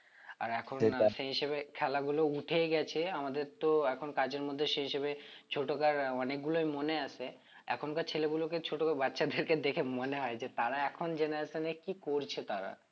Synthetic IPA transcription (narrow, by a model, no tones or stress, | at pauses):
a̰ɾɛkʰonʃeɦiʃeβekʰɛlaɡulouʈʰeɡɛt͡ɕʰeamad̪eɾt̪oɛkʰonkad͡ʑeɾmod̪ʱːeʃeɦiʃebet͡ɕʰoʈokaɾɔnek̚ɡulojmoneaʃʰe | ɛ̰kʰonkat͡ɕʰeleɡuloket͡ɕʰoʈokabatːʃad̪ʱeɾked̪ekʰemoneɦɔed͡ʑet̪aɾaɛkʰond͡ʑeneasʰenekikoɾt͡ɕʰet̪aɾa̰